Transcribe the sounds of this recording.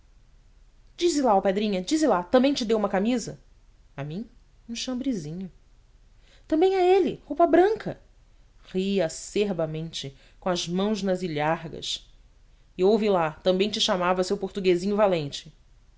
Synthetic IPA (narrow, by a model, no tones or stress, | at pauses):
d͡ʒizɪlaɐwped̪ɾĩɲɐd͡ʒizɪlat̪ɐ̃mbẽj̃t͡ʃɪd̪ewũmɐkamizɐ | amĩ | ũʃɐ̃mbɾizĩɲʊ | t̪ɐ̃mbẽj̃aelɪhowpɐbɾɐ̃ŋkʰɐ | ʁiɐseɾbɐmẽnt͡ʃɪ | kõɐzmɐ̃w̃znɐziʎaɦɡɐ̰ʃ | ɪowvɪlat̪ɐ̃mbẽj̃t͡ʃɪʃamavɐsewpoɾt̪uɡezĩɲʊvalẽnt͡ʃɪ̥